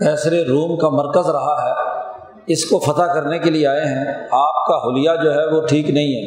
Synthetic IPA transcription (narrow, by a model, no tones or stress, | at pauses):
kɛːsɾeɾuːmkamɐɾkəzɾɐɦaɦɛː | ɪskofɐt̪akɐɾnekelieaːeɦɛ̃aːp̚kaɦʊlɪjad͡ʒoːɦɛʋoʈʰiːknɐɦĩɦɛː